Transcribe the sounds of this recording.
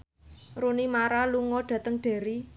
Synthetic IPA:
runimaɾaluŋɔɖ̥ä̤t̪əŋɖ̥e̤ɾi

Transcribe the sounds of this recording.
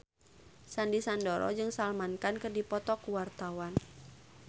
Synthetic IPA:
sandisandɔɾɔ̰d͡ʒɨŋsalmankankɨrdipɔt̪ɔkuwart̪awan

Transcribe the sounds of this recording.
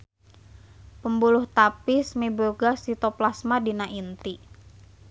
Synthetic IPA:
pəmbuluht̪apɪsmeboɡasit̪oplasmadinaʔint̪i

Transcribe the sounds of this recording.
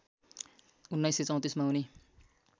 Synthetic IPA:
unːajsːet͡sʌ̃w̃t̪ismaɦuni

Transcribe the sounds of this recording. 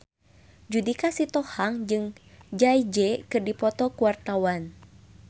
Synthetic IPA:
d͡ʒudikasit̪ɔhaŋd͡ʒɨŋ | d͡ʒaid͡ʒɛkɨrdipɔt̪ɔkuwart̪awan

